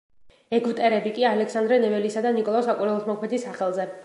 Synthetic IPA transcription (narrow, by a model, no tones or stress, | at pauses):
ɛɡvt̪ʼɛɾɛbikʼialɛksand̪ɾɛnɛvɛlisad̪anikʼɔlˠaɔsakʼuɾɛlˠɔsmɔkʰmɛt̪ʰisːaχɛlˠzɛ